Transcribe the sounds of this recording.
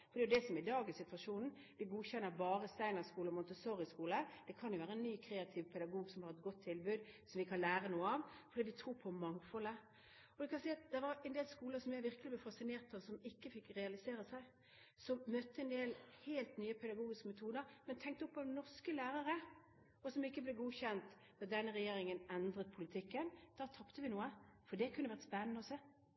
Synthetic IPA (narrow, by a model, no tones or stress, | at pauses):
fɔɾd̪ɛːjʊd̪ɛsɔmɪd̪ɑːɡɪsɪt̪ʋɑʂuːnn̩ | d̪ɪɡuːçɛnːəɾbɑːɾəst̪æɪnəʁskuːlɔmʊnt̪əsɔɾɪskuːləd̪̥ɛkʰɑnjʊʋæːɾəɛnnːyːkʰɾeːɑt̪ʰɪʋpʰɛd̪ɑɡuːɡsɔmhɑɾɛt̪̚ɡɔt̪ʰːɪlbʉd̪sɔmʋɪkʰɑnlæːɾənuːəɑʋfɔɾd̪iːd̪ɪt̪ʰɾuːpʰɔmɑŋfɔlə | ɔd̪ɛkʰɑnsiːɑt̪̚d̪ɛʋɑɾɛnd̪eːlskuːləsɔmjæʋɪɾkəlɪb̪ɛfɑsɪneːʁt̪ɑʋsɔmɪkːəfɪkʁɛɑlɪseːɾəsæɪ | sɔmmœt̪ːəɛnd̪eːlheːlt̪nyːəpʰɛd̪ɑɡuːɡɪskəmɛt̪ʰuːd̪əɾmɛnt̪ʰɛŋk̚t̪əɔpʰːɔnɔʁskəlæːɾəɾə | ɔsɔmɪkːəblɛɡuːçɛnt̪ | ʋ̪ɛd̪ɛnːəʁɛjeːɾɪŋənɛnd̪ɾət̪̚pʰʊlɪt̪ʰɪkːənd̪̥ɑːt̪ʰɑpt̪əʋɪnuːəfɔd̪ɛkʰʉnːəʋæʁt̪spɛnːənəɔsɛ